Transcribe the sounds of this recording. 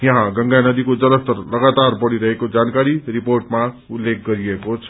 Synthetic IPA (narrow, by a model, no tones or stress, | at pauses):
jʌ̃ɦãɡʌŋɡanʌd̪ikod͡zʌlʌst̪ʌrlʌɡat̪arbʌɽiɾʌɦekod͡zankaɾiɾiporʈma | ulːek̚ɡʌɾiekot͡sʰ